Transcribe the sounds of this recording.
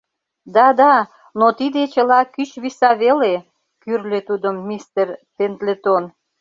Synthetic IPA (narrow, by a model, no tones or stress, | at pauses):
d̪ɑd̪ɑ | not̪id̪et͡ɕəlɑkyt͡ɕβisɑβele | kyrlet̪ud̪əmːist̪erpent̪let̪on